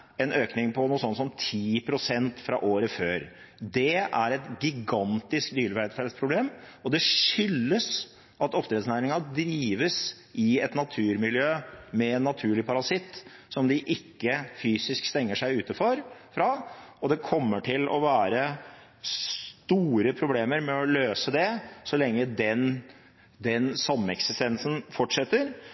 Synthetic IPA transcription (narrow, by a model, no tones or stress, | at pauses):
ɛnøːknɪŋpʰɔnuːsɔnːsɔmt̪ʰiːpʰɾʊsɛnt̪fɾɑ̰ʔoːɾəføːɾ | d̪ɛæɾɛt̪ɡɪɡɑnt̪ɪskd̪yːlʋæd̪fɛlspʰɾʊbleːmɔd̪ɛʂʏlːəs | ʔɑt̪ɔpd̪ɾɛd̪snæːɾɪŋɑd̪ɾiːʋəs | ɪɛt̪nɑt̪ʰʉːɾmɪljøːmɛɛnːɑt̪ʰʉːɭɪpʰɑɾɑsɪt̪ːsɔmd̪ɪʔɪkːəfyːsɪskst̪ɛŋːəʂæɪʉːt̪əfɔɾfɾɑɔd̪ɛkʰɔmːəʈʰɪlʔɔ̰ʋæːɾə | st̪uːɾəpʰɾʊbleːməɾmɛɔløːsəd̪ɛsɔlɛŋːəd̪ɛn | d̪ɛnsɑmːəɛksɪst̪ɛnsənfɔʈʂɛt̪ːəɾ